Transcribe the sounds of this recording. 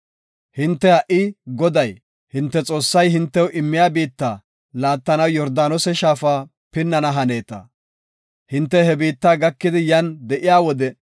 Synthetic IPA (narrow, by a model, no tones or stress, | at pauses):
hɪnt̪ːɛhɐʔɪɡɔd̪ɐj | hɪnt̪ːɛt͡sʼo̞ːsːɐjhɪnt̪ːɛwʔɪmːɪjaːbiːt̪ːa | laːt̪ːɐnɐwjɔɾd̪aːnɔsɛʃaːfaː | pɪnːɐnɐɦɐne̞ːt̪ɐ̰ | hɪnt̪ːɛhɛbiːt̪ːaːɡɐkːɪd̪ɪjɐnd̪ɛʔɪjaːwɔd̪ɛ